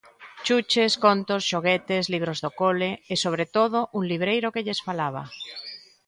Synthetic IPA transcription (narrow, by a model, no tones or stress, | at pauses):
t͡ʃut͡ʃeskont̪osʃoɣɛt̪esliβ̞ɾozðokoleesoβɾet̪oðoʔuŋliβɾejɾokeʎesfalaβ̞a̰